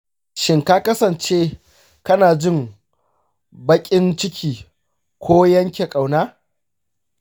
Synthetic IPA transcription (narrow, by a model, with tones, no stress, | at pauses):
ʃɪ˦ŋkaː˦kɐ˦sɐ˨nt͡ʃeː˦ | kɐ˦naː˨d͡ʒɪ˦ŋ | bɐ˦kʲʼɪ˦nt͡ʃɪ˦kʲʰiː˨ | kʷʰoː˦jɐ˦ŋkʲe˨kʼa˨wnaː˦